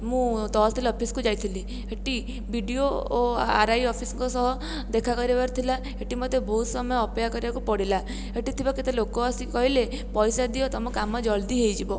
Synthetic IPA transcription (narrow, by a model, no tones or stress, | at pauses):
mũt̪ɔst̪ʰilɔpʰiskud͡ʒajt̪ʰili | eʈi | biɖioːa̰ɾajɔpʰisŋkɔsɔɦɔ | d̪ekʰakɔɾibaɾt̪ʰila | eʈimɔd̪ebɔɦut̪sɔmɔjɔːpɔjakɔɾibakupɔɽila | eʈit̪ʰibaket̪elokoɔsikɔɦile | pɔjsad̪iɔt̪ɔmɔkamːɔd͡ʒɔld̪iɦejd͡ʒibɔ